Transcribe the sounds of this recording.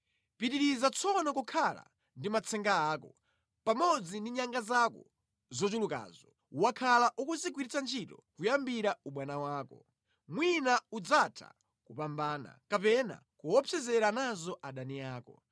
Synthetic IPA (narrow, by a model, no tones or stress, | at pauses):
pitiɾizat͡sʰɔnɔkukʰala̰ | ndimat͡sʰɛŋɡaaːkɔ | pamɔd͡zindiɲaŋɡazakɔ | zɔt͡ʃuluka̰ːzɔ | wakʰalaʔukuzik̬wiɾit͡sʰant͡ʃʰitɔkujambiɾauɓwanawaːkɔ | mwinaud͡zatʰa̰ | kupambaːna̰kapɛna̰ | kuwɔpʰɛzɛɾanazɔʔaɗaniaːkɔ